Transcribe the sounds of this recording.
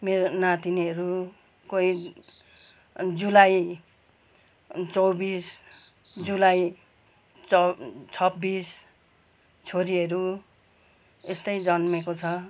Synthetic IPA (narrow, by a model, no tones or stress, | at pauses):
meɾonat̪iniʌɾu | koi | d͡zulaj | t͡sʌwbis | d͡zulaj | t͡sʰʌbːis | t͡sʰoɾiʌɾu | est̪ʌjd͡zʌnmekot͡sʰʌ